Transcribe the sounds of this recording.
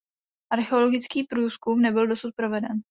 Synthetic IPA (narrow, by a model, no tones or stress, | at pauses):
ʔaɾxɛo̞lo̞ɡɪt͡skiːpɾuːskumnɛbɪldo̞sut̪̚pɾo̞vɛdɛn